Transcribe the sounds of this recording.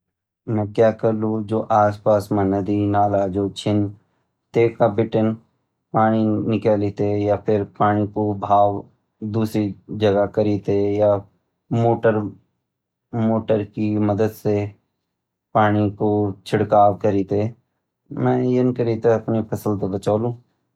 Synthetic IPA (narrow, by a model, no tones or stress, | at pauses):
mɛ̃ːkjaːkəɾlud͡ʒoːʔaːspaːsmãnəd̪inaːlad͡ʒoːt͡ʃʰɪn | t̪eːkabɪʈən | paːɽ̃inɪkəliːt̪ejapʰɪɾpaːɽ̃ikobʱaːʋ | d̪uːsɾid͡ʒəɡakəɾiːt̪eja | moːʈəɾ | moːʈəɾkiməd̪əd̪se | paːɽ̃ikot͡ʃʰɪɽkaːʋkəɾiːt̪e | mɛ̃ːjɪnkəɾiːt̪eɐpnepʰəsəlt̪ebət͡ʃaːlũː